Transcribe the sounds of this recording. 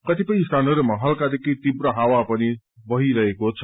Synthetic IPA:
kʌt̪ipʌj̃st̪anʌɾumaɦʌlkad̪ekijt̪ibrʌɦawapʌni | bʌɦiɾʌɦekot͡sʰʌ̥

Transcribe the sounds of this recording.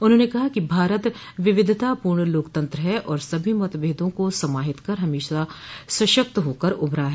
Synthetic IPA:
ʊnɦõːnekɐɦakibʱaːɾət̪ | ʋɪʋɪd̪ʱt̪apuːɾɳəloːkt̪ɐ̃nt̪ɾəɦɛʔɔːɾsɐbʱimɐt̪bʱeːd̪õkosɐmaːɦɪt̪kɐɾɦɐmeːʃasɐʃək̚t̪ɦoːkəɾʊbʱɾaːɦɛ

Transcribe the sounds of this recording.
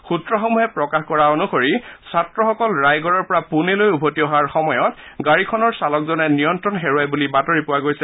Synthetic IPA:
xutɹɔxɔmuɦɛpɹɔkaxkɔɹaonuxoɹisatɹɔxɔkɔlɹajɡɔɹɔɹpɔɹapunelojubʱotiɔɦaɹxɔmɔjɔtɡaɹikʰɔnɔɹsalɔk̚zɔnɛnijɔntɹɔnxeɹuajbulibatoɹipʊwaɡojsɛ

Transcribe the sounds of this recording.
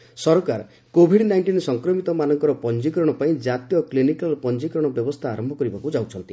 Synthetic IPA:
sɔɾkaɾ | kobʱiɖnajɳʈinsɔŋkɾɔmit̪ɔmanɔŋkɔɾɔpɔnd͡ʒikɾɔɽ̃ɔpaĩd͡ʒat̪jɔklinikalpɔnd͡ʒikɾɔɽ̃ɔbjɔbɔst̪ʰaːɾɔmbʱɔkɔɾibakud͡ʒawt͡ʃʰɔnt̪i

